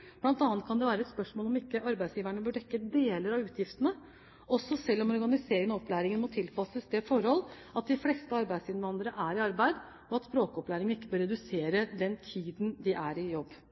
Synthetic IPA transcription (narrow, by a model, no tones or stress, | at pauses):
b̥lɑnt̪ɑːnt̪̚kʰɑnd̪ɛʋæːɾəɛt̪spœʂmoːlɔmɪkːəʔɑɾbæɪsjiːʋæɳəbœɖɛkːəd̪eːləɾɑʋʉːt̪ʰjɪft̪ənə | ɔsːɔsɛlːɔmɔɾɡɑnɪseːɾɪŋənɑɔplæːɾɪŋənmɔt̪ʰɪlpʰɑsəsd̪ɛfɔɾhɔl | ɑt̪̚d̪ɪflɛst̪əɑɾbæɪd̪sɪnʋɑnd̪ɾəʔæɾɪɑɾbæɪd̪ | ɔɑt̪spɾoːkɔplæːɾɪŋənɪkːəbøːɾɛd̪ʉseːɾəd̪ɛnt̪ʰiːd̪nd̪ɪʔæɾɪjɔbː